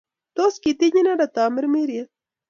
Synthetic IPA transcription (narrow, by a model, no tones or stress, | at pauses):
t̪oskit̪iɲinaɾat̪aːmɪɾmiɾja